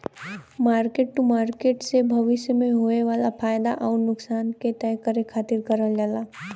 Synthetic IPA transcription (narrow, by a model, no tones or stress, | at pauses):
maːɾkeːʈ̚ʈumaːɾkeːʈsebʱəʋɪsjəmẽɦoeʋaːlapʰaːjd̪aʔɔːɾnʊksaːnket̪ɛjkəɾekʰaːt̪ɪɾkəɾəld͡ʒalaː